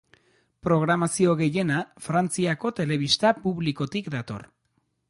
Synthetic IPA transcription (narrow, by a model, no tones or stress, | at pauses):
pɾo̞ɣ̞ɾamasio̞ɣe̞je̞nafɾant͡siako̞t̪e̞le̞β̞ist̪apuβliko̞t̪ikd̪at̪o̞̰r